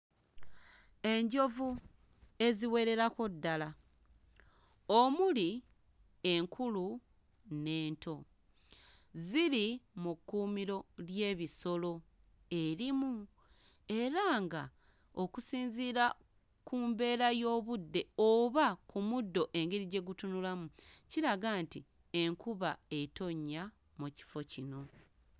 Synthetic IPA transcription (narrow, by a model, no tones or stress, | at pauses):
e̞ɲɟo̞vu | e̞ziwe̞ɾe̞ɾako̞dːala | omuli | e̞ŋkʰulu | ne̞ːntʰo̞ | ziɾimukːuːmiɾo̞lje̞ːβiso̞lo̞ | e̞ɾimu | e̞ɾaːŋɡa | o̞kusiːnziɾa | kuːmbe̞ːɾajo̞ːβudːe̞oβakumudːo̞ʔe̞ŋɡiɾiɟe̞ɡutunulamuciɾaɡaːnti | e̞ŋkuβae̞to̞ɲːa | muci̥fo̞cino̞